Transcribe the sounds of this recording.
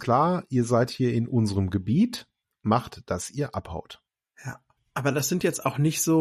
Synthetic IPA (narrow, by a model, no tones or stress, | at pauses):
kʰl̥aːɐʔiːɐzaɪthiːɐɪnʔʊnzəʁəmɡəbiːt | maχtd̥asʔiːɐʔapha̰ʊt | jaː | ʔaːbɐdasz̥ɪntjɛt͡staʊxnɪçtz̥oː